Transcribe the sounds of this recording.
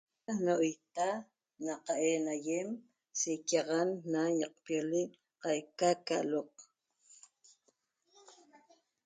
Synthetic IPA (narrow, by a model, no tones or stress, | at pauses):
noʔojt̪a | naqɑʔeːnajem | sekɑʁanːajɑq̚pjoliʔ | qɑjkakaloq